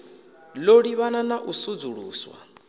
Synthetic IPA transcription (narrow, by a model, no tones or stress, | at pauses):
loɺiβananaʔusud͡zuɺuːswa̰